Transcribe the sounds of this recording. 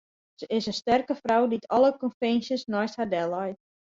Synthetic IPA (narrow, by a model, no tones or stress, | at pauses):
səʔɪsəstɛrkəfrawditʰɔlˠəkɔnfɛnsjəsnɔjsthardɛlɔjt